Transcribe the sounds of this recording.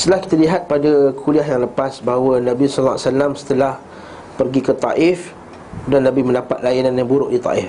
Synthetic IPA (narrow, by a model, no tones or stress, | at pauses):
st̪əlahki̥t̪aliɦat̪̚padakʰuliaɦjaŋləpasbaɦawənãbisɔlːaasalamsə̥t̪əlah | pərɡikət̪a̰ʔɪf | udanːãbimə̃ndapat̪̚lajananjabuɾʊʔdit̪ˤa̰ʔɪf